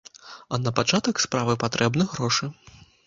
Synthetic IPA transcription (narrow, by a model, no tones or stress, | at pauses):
ɐnɐpat͡ʂat̪ɐkspɾavɨpat̪ɾʔɛbnɨɣɾɔʂɨ